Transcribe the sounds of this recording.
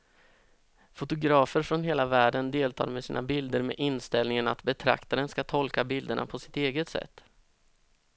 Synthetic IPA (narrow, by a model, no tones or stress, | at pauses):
fʊt̪ʊɡɾɑːfəɾfɾɔnɦeːlavæːɖənd̪eːlt̪ʰɑ̰ːɾmɛsiːnʔabɪld̪əɾmḛʔɪnst̪ɛlnɪŋənat̪bɛt̪ʰɾa̰kt̪aɾənskat̪ʰɔlkabɪld̪əɳʔa̰pʰɔsɪ̥t̪eːɡət̪sɛ̰t̪ː